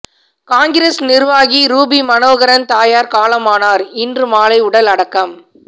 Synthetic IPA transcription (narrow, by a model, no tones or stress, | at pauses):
kaːŋɡɪɾeːsnɪɾʋaːɣiɾuːbimɐnoːɣɐɾɐnt̪aːjaːɾkaːlɐmaːnaːɾɪndrɯmaːlɐɪʊɽɐlɐɽɐkːɐm